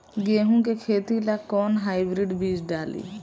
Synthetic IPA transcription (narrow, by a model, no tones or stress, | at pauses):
ɡeːɦũkekʰeːt̪ilakɔːnɦaːɪbɾiɖbiːd͡ʒɖaːlḭː